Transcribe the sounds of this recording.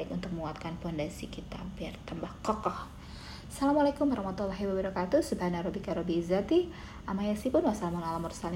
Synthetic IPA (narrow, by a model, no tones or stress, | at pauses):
ɪkunt̪ʊk̚məŋuat̪̚kanpɔndansikit̪abiart̪ambahkɔkɔh | salamalakʊmbaɾahmat̪ulaɦiwabəɾɔkat̪usubhanaɾɔbikaɾɔbiːzat̪iʔamajasipʊnwasalamanalamɔrsalɪ